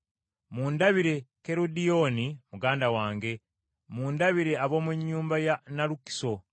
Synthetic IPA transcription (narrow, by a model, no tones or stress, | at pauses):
muːndaβiɾe̞ke̞ɾodijo̞nimuɡaːndawaːŋɡe̞ | muːndaβiɾe̞aβo̞ːmweɲːuːmbajanaɾuki̥so̞